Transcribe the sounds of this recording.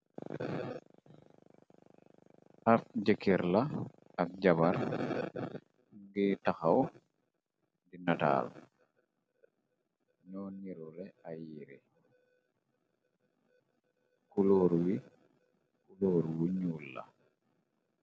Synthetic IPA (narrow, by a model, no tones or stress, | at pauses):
ʔafd͡ʒɛkːiɾla | ak̚d͡ʒabaɾ | ŋɡitaxaw | ndinata̰l | ɲɔniɾɔlɛajiɾɛ | kuloːɾuwi | kuloːɾuwiɲulːa̰